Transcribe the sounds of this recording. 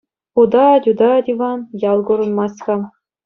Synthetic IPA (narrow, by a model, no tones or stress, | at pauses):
χud̪ɑdʲud̪ɑd̪ʲivɑnjɑlˠɡŭɾɤ̆nmɑskɑ